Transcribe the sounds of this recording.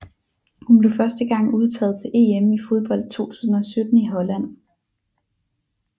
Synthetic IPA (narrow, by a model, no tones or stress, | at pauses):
hunb̥le̝ʊfɶɐsd̥əɡ̥ɑ̈ŋ̰uð̞ˠt͡sʰɛ̰ːð̩ˠt͡sʰe̝lʔe̝emifo̝ð̞ˠb̥ɒ̽l̰d̥̚t͡sʰo̝̰ːt͡sʰu̥̰ːsn̩ɒ̽sød̥n̩iɦɒ̽læn̰